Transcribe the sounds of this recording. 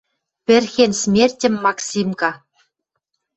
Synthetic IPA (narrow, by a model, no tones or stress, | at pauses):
pʲɘ̆rʲxʲenʲsʲmʲerʲtʲɘ̆mʲːɑksʲimkɑ